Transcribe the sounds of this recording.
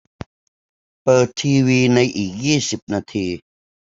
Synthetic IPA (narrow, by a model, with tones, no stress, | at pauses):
pɤː˨˩t̪ʰːiː˧wiː˧na˧jʔiː˨˩k̚jiː˥˩si˨˩p̚naː˧t̪ʰiː˧